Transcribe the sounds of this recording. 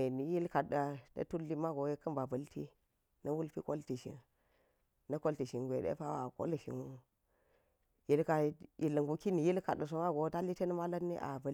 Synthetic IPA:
ni˨ji˦lka˨da˨ta̰˦tu˦lːi˦ma˦ɡo˨˦je˦kːɐ˦nba˨bɐ˨ltḭ˦ | nɐ˦wu˦lpi˦ko˦lti˨ʃḭ˨n | nɐ˦ko˦lti˨ʃi˨nɡʷḛ˨dḛ˦pa˦wa˨ko̰˦lʃḭ˨nu˦˨ | ji˦lka˦ji˨lə˨ŋɡu˨ki˦ni˨ji˦lka˨da˨s̬o˨ma˦ɡo˨˦ta˦li˦te˦n˦ma˦la˦nːḭ˦ʔa̰˨ba˦l

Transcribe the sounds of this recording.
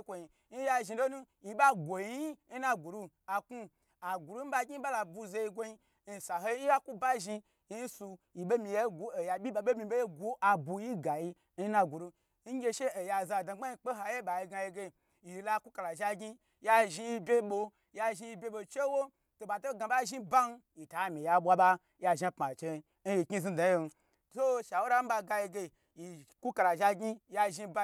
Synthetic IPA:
kʷo˧i˨ | ni˦ja˧ʒi˧lo˦nu˦ | ji˧ɓa˦ɡʷo˨i˧˦˧i˦n̩˦na˧ɡu˨ɾu˧ | a˨ku˦ | a˨ɡʷu˨ɾu˦m̩˦ba˧ɡʲi˦ɓa˦la˧bu˧ze˧ji˧ɡʷo˧ji˧ | i˨˧˨sa˨ɦo˦ji˦i˦ja˦ku˦ba˦ʒi˧ | i˦n̩˦su˧ji˨ɓe˦mi˧je˦ɡu˦e˨ja˨ɓʲi˦ba˧ɓe˦mi˧˨be˦je˦ɡu˦ʔa˨bu˧ji˦ɡa˨ji˧ | i˦na˧ɡu˨ɾu˧ | n̩˦ɡʲe˦˧ʃe˦e˨ja˧za˧˨da˨ɡ͡ba˦ji˧k͡pe˦ɦa˧je˦ɓa˨ji˧ɡa˧je˧ɡe˧ | ji˨la˧˦ku˦ka˧la˨ʒa˧ɡi˦ | ja˧ʒi˧ji˧bʲe˦ɓo˧ | ja˧ʒi˧ji˧bʲe˧˦ɓo˧t͡ʃe˦wo˦ | to˨ɓa˨to˦ɡa˧ɓa˦ʒi˦ba˦n˦ji˨ta˨˦˨mʲi˨ja˧ɓwa˦ɓa˦ | ja˧ʒa˧pma˨t͡ʃe˧˦ | n̩˦ji˨kʲi˦zi˧da˨˦je˧n˧ | to˦ʃa˨wo˦ɾa˦m̩˦ba˧ɡa˧je˧ɡe˧ | ji˨ku˦ka˧la˨ʒa˧ɡʲi˦ja˧ʒi˧ba˦

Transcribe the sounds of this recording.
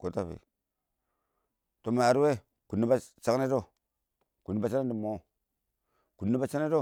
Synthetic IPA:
ko˨ta˦˨βḭ˨ | to˨m˨a˨ɾu˦we˦ | ku˨nːi˦ba˦t͡ʃa˦ne˦do˦ | ku˨nːi˦ba˨t͡ʃa˦na˦di˨mo˦ | ku˨nːi˦ba˦t͡ʃa˦ne˦do˦˨

